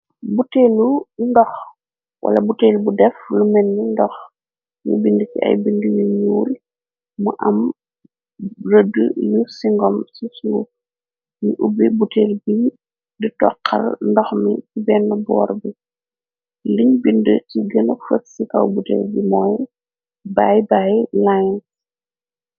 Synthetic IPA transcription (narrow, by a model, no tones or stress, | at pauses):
buteːlundɔx | wʔɐ̰lɐbuteːlbudɛflumɛnːindɔx | mṵbindəciɐ̰jbindəmiɲuːl | muʔɐm | rədəjusiŋɡɔmsisuː | ɲuʔubibuteːlbi | ditɔ̰qʰːɐ̰rndɔxmikibɛnːɐbɔ̰ːrbi | liɲbindəciɡənəfətsikɐ̰wbutḛːlbimɔːj | bajbajlajns